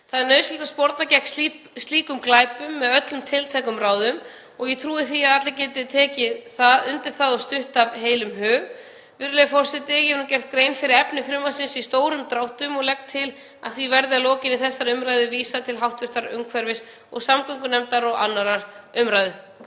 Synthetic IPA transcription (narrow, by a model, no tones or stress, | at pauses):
θaðɛɾnœːɥscɪlt̪aspɔɾt̪nacɛk̪si | st̪liːkʏmklaːjpʏmːɛðœt̪lʏmt̪ʰɪlt̪ʰɛkʏmɾaːwðʏm | ɔɣjɛt̪ʰɾuːðɪθiaðat̪lacɛːt̪ɪt̪ʰɛːcɪθaðʏnt̪ɪɾ̥θaðɔst̪ʏht̪avɦeːjlʏmɦœːɣ | vɪɾʏlɛfɔr̥sɪt̪ɪjɛvnuːcɛr̥t̪̚kɾeːjnfɪɾɪɾɛpnɪfɾɪmvasɪnsist̪oːwɾʏmt̪ɾawht̪ʏmɔɣlɛk̚t̪ʰːɪl | a̰ðθvivɛɾðɪalɔːcɪnɪθɛsːaɾʏmɾajðʏviːsat̪ʰɪlɦawht̪vɪɾ̥t̪aɾʏ̰ŋkʰvɛɾvɪs | ɔɣsamkʏŋkʏnɛmt̪aɾɔɣa̰nːaɾaɾ̥ʏmɾajðʏ